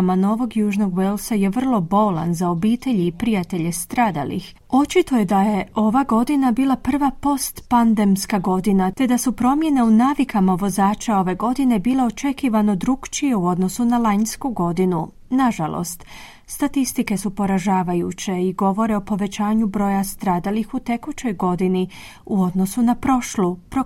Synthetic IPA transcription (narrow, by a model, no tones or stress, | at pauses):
mano̞ʋo̞ɡjuːʒno̞ɡʋelsaje̞ʋr̩lˠo̞bo̞la̰nzao̞biːt̪e̞ʎiːpɾijat̪e̞ʎe̞st̪ɾaːd̪a̰lḭx | o̞t͡ʃit̪o̞je̞d̪aje̞ʔo̞ʋaɡo̞d̪inabiːlˠapr̩ʋapo̞st̪pand̪e̞mskaɡo̞d̪inat̪e̞d̪asupɾo̞mje̞ne̞unaːʋikamaʋo̞zaːt͡ʃao̞ʋe̞ɡo̞d̪ine̞biːlˠe̞o̞t͡ʃe̞kiʋanod̪ɾuɡt͡ʃije̞uo̞d̪no̞sunalanskuɡo̞d̪inu | naʒalo̰st̪ | st̪at̪ist̪ike̞supo̞ɾaʒaːʋajṵt͡ɕe̞iɡo̞ʋo̞ɾe̞o̞po̞ʋe̞t͡ɕaːɲubɾo̞ːjast̪ɾaːd̪alixut̪e̞kut͡ɕo̞jɡo̞d̪ini | uo̞d̪no̞sunapɾo̞ʃlupɾo